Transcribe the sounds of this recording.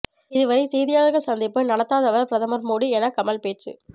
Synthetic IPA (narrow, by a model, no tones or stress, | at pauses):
ɪðɯʋɐɾɐɪsɛːðɪjaːɣɐsɐnd̪ɪpːɯnɐɽɐt̪ːaːðɐʋɐɾpɾɐðɐmɐɾmoːɽiɛnɐkːɐmɐlpeːʈt͡ʃːɯ̰